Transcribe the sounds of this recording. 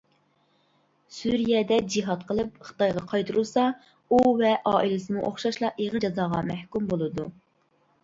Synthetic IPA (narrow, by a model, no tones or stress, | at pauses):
syɾijɛd̪ɛd͡ʒiɦɑt̪qʰəlˠɨp̚χə̥t̪ɑjʁɑqʰɑjt̪ʰuɾusɑ | uvɛʔɑːʔilɪsɨmuʔoχʃɑʃlˠɑeʁəd͡ʒɑzɑːʁɑmæhkʲumbolˠɨd̪u